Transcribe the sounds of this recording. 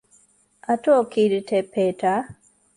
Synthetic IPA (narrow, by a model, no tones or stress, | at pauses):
atokʰidtʰɛpeta